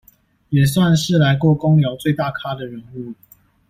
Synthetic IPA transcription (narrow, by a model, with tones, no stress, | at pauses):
jɛ˨˩swa˥˨nʂɻ̩˥˨la˧˦ɪkwɔ˥˨ko˦ŋljɑ˨˧˦ʊt͡swe˥˨ɪt̪a˥˨kʰa˦d̪ə˨ɻə˨˦nu˥˨